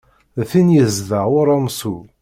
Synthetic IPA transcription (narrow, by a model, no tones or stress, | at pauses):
θinjəzðəʊɾæmsu